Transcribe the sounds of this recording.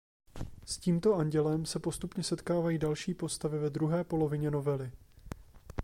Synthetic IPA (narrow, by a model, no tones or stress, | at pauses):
sciːmt̪o̞ʔaɲɟɛlɛmsɛpo̞st̪upɲɛsɛt̪kaːvajiːdalʃiːpo̞st̪avɪvɛd̪ɾuɦɛːpo̞lo̞vɪɲɛno̞vɛlɪ